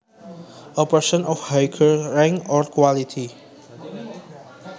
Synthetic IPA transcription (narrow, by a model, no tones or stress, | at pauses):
əpəsə̃nɔfhajkʰəɹɛ̃ŋkɔɹkwalitʰi